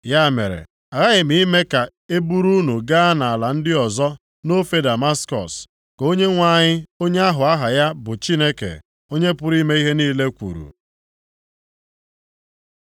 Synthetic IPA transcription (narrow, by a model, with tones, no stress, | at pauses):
ja˦˨mḛ˨ɾḛ˨ | a˨ɣa˦ɣɪ˨mi˨i˦me˦ka˨ | e˦bu˦ɾu˦nu˨ɡa˦na˨a˨la˨n̩˦dɪ˦ɔ˨zɔ˦ | no˦fe˦da˨ma˦skɔ̰˨s | ko˦ɲe˦ŋʷa˦˨ɲɪ˦o˦ɲe˦a˦ɦʊ˨a˦ɦa˨ja˦bʊ˨t͡ʃi˦ne˦kḛ˨ | o˦ɲe˦pʊ˦ɾi˦me˦i˦ɦe˦niː˦le˦kʷṵ˨ɾṵ˨